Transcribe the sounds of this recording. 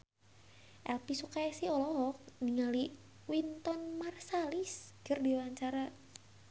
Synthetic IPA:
ʔɛlpisukaɛsiɔlɔɦɔk̚niŋali | wint̪ɔnmarsaliskərdiwaɲt͡ʃaɾa

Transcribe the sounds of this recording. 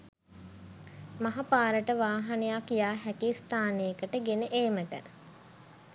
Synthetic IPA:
maɦapaːɾəʈəʋaːɦanejakjaːɦækist̪aːnejəkəʈəɡenəʔeːməʈə

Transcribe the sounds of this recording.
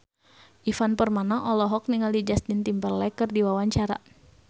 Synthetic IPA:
ʔifanpərmanaʔɔlɔɦɔk̚niŋaldid͡ʒast̪int̪impərlɛkɨrdiwawaɲt͡ʃaɾa̰

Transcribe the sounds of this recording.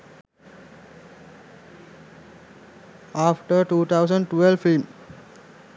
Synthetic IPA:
aːfʈəɾʈuːt̪ʰaʊsə̃ɳɖʈʋelfim

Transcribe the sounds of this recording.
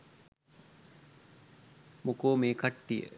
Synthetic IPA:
mukoːmeːkaʈːijə̰

